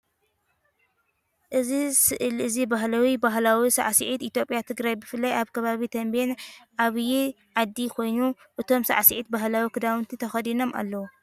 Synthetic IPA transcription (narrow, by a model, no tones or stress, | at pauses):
ʔɨzisɨʔɨlɨzibaɦlawibaɦlawisa̰ʕsiʕit̪it̪ʰjo̞pʼjat̪ʰɨɡɾajbɨfɨlːɐjaβkʰɐβaβit̪ʰɐmbenʔaβji | ʕad̪ːikʰo̞jnu | ʔɨt̪ʰo̞msa̰ʕsiʕit̪̚baɦlawikʰɨd̪awɨnt̪ʰit̪ʰɐxɐd̪ino̞mʔa̰lːɐwu